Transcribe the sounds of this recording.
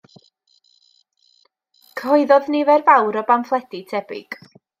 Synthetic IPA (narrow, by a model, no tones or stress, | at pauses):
kʰəhɔɨðɔðnɪvɛrvawɾɔbamflˠɛditʰɛbɪ̰ɡ̥